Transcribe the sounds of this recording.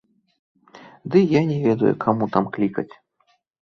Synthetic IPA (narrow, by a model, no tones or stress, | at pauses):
d̪ɨjanʲɛvʲɛd̪ɐjṵkʰamut̪amklʲikɐ̰t͡sʲ